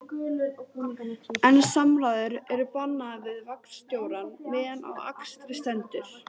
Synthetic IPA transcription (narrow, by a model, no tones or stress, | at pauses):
ɛnsamlaːðʏɾɛɾʏpanːavɪðvakn̥st̪joːwɾanmɪːðɛna̰wa̰kst̪ɾɪst̪ɛnt̪ɪɾ̥